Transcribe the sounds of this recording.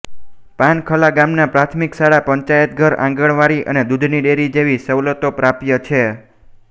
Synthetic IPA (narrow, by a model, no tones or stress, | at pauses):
pankʰəlaɡamnapɾat̪ʰmiksaɽapəɲt͡ʃajət̪̚ɡʱəɾã̰ŋɡəɽʋaɾiʔə̰ned̪ud̪ʱniɖeɾid͡ʒeʋisəʋlət̪opɾapjət͡ʃʰe